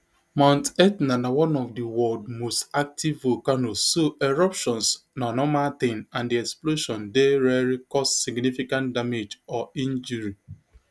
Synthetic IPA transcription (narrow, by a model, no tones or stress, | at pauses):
mãntɛtnanawɔ̃nɔfdiwɔd̚mostak̚tivokanosːoɛɹɔpʃɔ̃nsnanɔmat̪ẽnãndiɛksploʃɔ̃ndeɾɛɹikɔssiɡnifikãntdamed͡ʒɔĩnd͡ʒuɹi